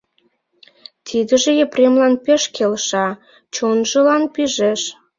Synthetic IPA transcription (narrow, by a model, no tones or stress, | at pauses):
t̪ʰid̪ə̆ʒĕjeprʲemlɑnpeʃkʰelʃɑ | t͡ɕonʒə̆lɑnpiʒeʃ